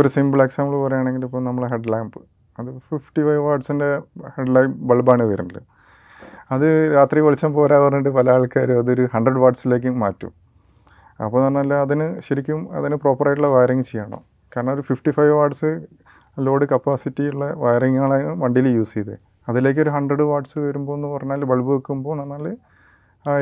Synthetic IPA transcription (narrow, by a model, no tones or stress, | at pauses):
oɾusimbɭeksamɭpɐrɐjaːɳe̞ŋɡilipːonɐmːɐɭɦeɖlaːjmbɨ | ɐðɨfifʈifɐjʋʋaːʈsinde̞heɖlajmbɐɭbaːɳɨʋɐjɾunːɐlːo̰ | ɐðɨɾaːt̪riʋɐɭit͡ɕːaːmpoːɾaːpɐrɐɲːuʈːɨpɐlɐjaːɭkaːɾuɐðɨoɾuhɐɳɖrɨɖʋaːʈsile̞ːk̬ʲːɨmaːtːṵm | ɐ̰pːoːnɐrnːɐlːɐɐðinɨɕɐɾikʲːumɐ̰ðinɨpro̞ːpːɐrɐjʈːuɭːɐʋɐjɾiŋːt͡ɕejːaːɳo̰ː | kaːɾɐɳɐmoɾufifʈifɐjʋʋaːʈsɨ | lo̞ːɖɨkɐpːaːsitːiuɭːɐʋɐjriŋːaːɭaːʋɐɳɖiljuːsijɐðḛ | ɐðile̞ːk̬ʲːo̞ɾuɦɐɳɖrɐɽɨʋaːʈsɨʋɐɾumbo̞ːenːɨpɐrɐjɲːnːaːlːɐbɐɭbɨʋɐkːumbo̞ːnɐɳnːaːlːɐ